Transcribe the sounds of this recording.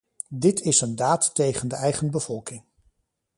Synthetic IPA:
dɪtɪsəndaːtːejχəndəɛjχənbəvɔlˠkɪŋ

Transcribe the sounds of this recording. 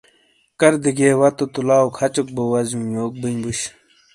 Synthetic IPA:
kɐɾd̪iɡeːwɐt̪ot̪ulaːokʰɐt͡ɕuk̚bowɐzũjoːk̚binbuɕ

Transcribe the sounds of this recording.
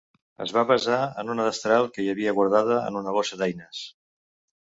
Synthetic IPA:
ə̰zβaβəzaənunəðəst̪ɾalˠkəiəβiəɣwəɾðað̞əə̰nunəlɔʃəðajnəs

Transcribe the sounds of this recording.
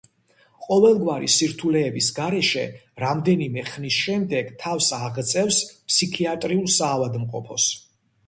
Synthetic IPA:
qʼɔvɛlˠɡwaɾḭsiɾt̪ʰulɛːbisɡaɾɛʃɛɾamd̪ɛnimɛχnisʃɛmd̪ɛɡ̥t̪ʰafsaʁt̪sʼɛfspʰsikʰiat̪ʼɾiulˠsaːvad̪mqʼɔ̰pʰɔs

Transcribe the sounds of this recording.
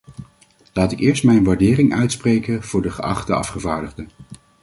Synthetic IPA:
laːtɪkɪːɹstmɛjnʋaːɹdɪːrɪŋʔœɥtsprejkənv̥ʊːɹdəχəʔɑ̰χtəɑ̰fχəvaːɹdəχdə

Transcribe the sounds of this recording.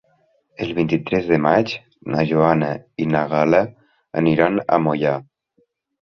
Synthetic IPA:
əlˠβint̪it̪ɾɛzðəmad͡ʒ | naʒoanainaɣalə̰ː | niɾana̰moja

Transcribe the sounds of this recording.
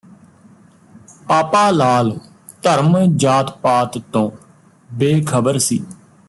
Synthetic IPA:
paːpaːlaːl | t̪əɾmd͡ʒaːt̪paːt̪t̪õː | beːkʰəbəɾsḭː

